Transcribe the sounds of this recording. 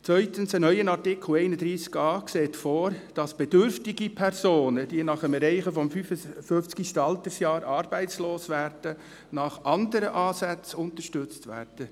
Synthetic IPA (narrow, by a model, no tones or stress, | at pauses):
t͡sʋœʏtənsənœʏənɑrtɪkʰl̩eɪnədɾiːskɑːkseːtfoːɾd̥ɑsb̥ɛdʏɾftɪɡipʰɛrsoːnəd̥iənɑχəmɛɾɛɪχəfɔmfyfəføft͡skiʃtɑltəsjɑːɾʔɑːɾb̥ɛɪt͡sloːsʋæɾd̥ə | nɑχʔɑndəɾəʔɑːsæt͡sʊntərʃtʏt͡stʋæ̰ːɾd̥ə